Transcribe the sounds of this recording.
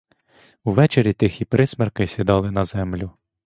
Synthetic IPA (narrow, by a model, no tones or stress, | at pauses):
uʋɛt͡ʃeɾʲit̪ɪxʲipɾɪsmɛrkɪjsʲid̪ɑlˠɪnɐzɛmlʲʊ